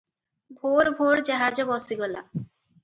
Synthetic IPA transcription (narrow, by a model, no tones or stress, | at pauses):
bʱoɾbʱoɾd͡ʑaɦad͡ʑobɔsiɡɔla